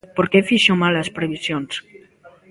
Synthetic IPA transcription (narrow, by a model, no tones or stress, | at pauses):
poɾkefiʃomalaspɾeβisjons